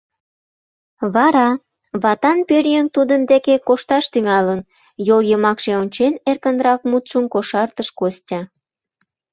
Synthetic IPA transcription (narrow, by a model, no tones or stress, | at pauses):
βɑɾɑ | βɑt̪ɑnpørjəŋt̪ud̪ənd̪ekekoʃt̪ɑʃt̪yŋɑlən | joljəmɑkʃeonʲt͡ɕenerkənɾɑk̚mut̪ʃəmkoʃɑrt̪əʃkostʲɑ